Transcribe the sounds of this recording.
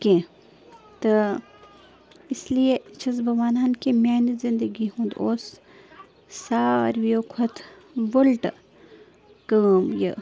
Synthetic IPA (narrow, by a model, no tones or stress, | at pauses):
kẽ | t̪ɨ | ɪsliet͡ʃʰɐsbʱɐʋaːnaːnkimjaːnɐzɪ̃nd̪əɡiɦũnd̪oːs | sa̰ːɾʋjoːkʰɐt̪ʰ | ʋɐlʈ | kəːmjə̰